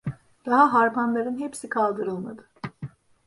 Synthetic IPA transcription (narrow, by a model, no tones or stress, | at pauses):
d̪̥aɦaɦaɾpʰanlˠaɾɯnɦepsikʰalˠd̪ɯɾɯlˠma̰d̪ɯ̥